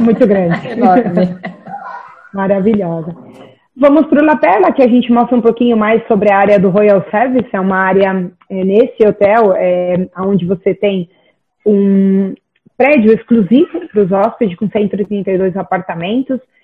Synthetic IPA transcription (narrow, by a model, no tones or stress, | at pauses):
mũj̃t̪ʊɡɾɐ̃d͡ʒɪɔ | maɾaviʎɔzɐ | vɐ̃mʊspɾʊlapɛlɐkɪaʒẽnt͡ʃɪmɔst̪ɾɐũpokĩɲʊmajsːobɾɪɐaɾjɐd̪ʊɦojawsɛɾvisɛũmɐaɾjɐ | ɛnesɪot̪ɛwɛɐõnd͡ʒɪvoset̪ẽj̃ | ũ | pɾɛd͡ʒʊeskluzivʊpɾʊzɔspɪd͡ʒɪkõsẽnt̪ʊɪt̪ɾĩnt̪ɐjd̪ojzapaɾt̪amẽnt̪ʊs